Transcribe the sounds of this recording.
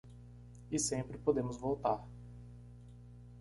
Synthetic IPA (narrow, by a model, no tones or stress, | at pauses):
ɪsẽpɾɪpod̪ẽmʊzvowt̪aɾ